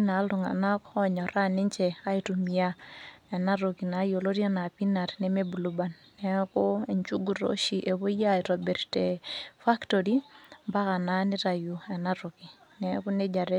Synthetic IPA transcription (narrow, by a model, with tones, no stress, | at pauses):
na˨˦lu˨ŋa̰˨na˦kɔ˦ɲɔ˨ɾa˦ni˦ɲt͡ʃɛ˨a˦i˨tumi˨ja˦ɛ˨na˦ɾo˨ki˨na˨˦jo˨lo˦ɾi˦a˦na˨pi˦na˨ɾnɛ˨me˦bu˨lu˨ba˨nːɛ˦ko˦e˨ɲt͡ʃu˦ɡu˨ɾo̰˦ʃi˨ʔe˨βo˦ja˦i˨ɾo˨be˨ɾtefa˦ktoɾi˦mba˦ka˨na˦ni˦ɾa˨ju˨ɛ˨na˦ɾo˨ki˨ | nɛ˦ku˦ne˦d͡ʒa˨ɾe˦